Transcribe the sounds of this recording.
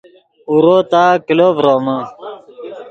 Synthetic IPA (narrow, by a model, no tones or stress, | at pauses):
uɾoːt̪aːkiloːbɾoːmə